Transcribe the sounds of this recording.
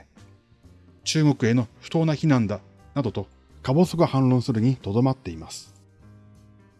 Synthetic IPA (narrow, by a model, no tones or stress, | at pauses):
t͡ɕɨːɡo̞kɯ̟e̞no̞ɸɯ̟̥t̪o̞ːnaçinãnd̪a | nad̪o̞t̪o̞ | kabo̞soɡahãnɾõ̞ɰ̃sɨɾɯ̟ɲ̟it̪o̞d̪o̞mat̪ːe̞imasɨ̥